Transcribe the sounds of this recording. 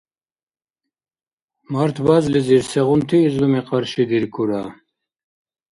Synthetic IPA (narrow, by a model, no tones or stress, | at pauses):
mɐɾt̪ʰbazliziɾseʁunt̪ʰiːzumeqɑɾɕid̪iɾkʰuɾa